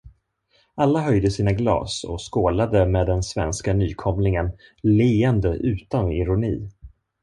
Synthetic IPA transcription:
alːaɦœjd̪əsiːnaɡlɑ̰ːsɔ̰skoːlad̪əmeːd̪ɛnsvɛ̰nskanyːkʰɔmlɪŋənleːənd̪əʔʉ̟ːt̪anɪɾʊniː

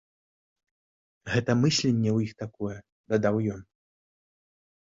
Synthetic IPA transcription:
ɣɛt̪ɐmɨsʲlʲɛnʲːɛwjixt̪akɔjɛ | d̪ɐd̪awjɔn

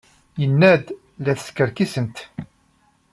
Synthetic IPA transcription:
jənːæd̪ | læθskəɾkisənt̪

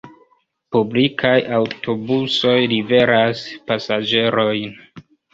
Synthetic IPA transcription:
publikʰajawtʰo̞buso̞jlive̞ɾaspasad͡ʒe̞ɾo̞jn

